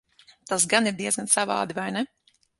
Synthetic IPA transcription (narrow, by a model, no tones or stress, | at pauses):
t̪as̬ɡaniɾd̪iɛzɡansava̰ːd̪ivajnɛ